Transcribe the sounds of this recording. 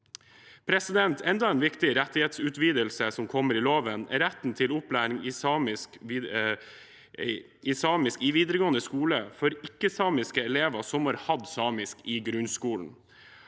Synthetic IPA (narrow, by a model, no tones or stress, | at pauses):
pʰɾɛsɪd̪ɛnt̪ʰɛnd̪ɑɛnʋɪkt̪ɪɾɛt̪ːɪheːt̪sʉːt̪ʋiːd̪əlsəsɔmkʰɔmːəɾɪloːʋənɛɾɛt̪n̩t̪ʰɪlʊplæːɾɪŋɪɪs | ɪsɑːmɪskɪʋiːd̪ɾəɡoːənəskuːləfɔɾɪkːəsɑːmɪskəɛleːʋɑsɔmhɑɾhɑd̪sɑːmɪskɪɡɾʉnskuːln̩